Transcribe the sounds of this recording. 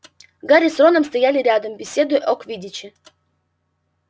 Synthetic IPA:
ɡaɾʲɪsronəmst̪ɐjalʲɪɾʲad̪əmbʲɪsʲe̞d̪ʊjʔokvʲidʲɪt͡ɕɪ

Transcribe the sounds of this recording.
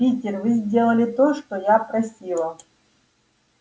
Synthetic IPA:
pʲitʲɪrvɨzʲdʲelˠəlʲɪt̪oʂt̪ojapɾɐsʲilˠə

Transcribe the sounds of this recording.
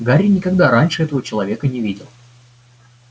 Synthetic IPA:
ɡaɾʲɪnʲɪkɐɡd̪aɾanʲʂɨɛt̪əvət͡ɕɪlˠɐvʲe̞kənʲɪvʲidʲɪlˠ

